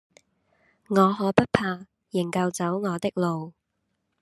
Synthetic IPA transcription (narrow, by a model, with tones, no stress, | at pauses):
ŋɔː˨˧ɦɔː˨˧˥pɐ˥t̚pʰaː˧ | jɪ˨˩ŋkɐ˧wt͡sɐ˨˥wŋɔː˨˧t̪ɪ˥k̚lo˨w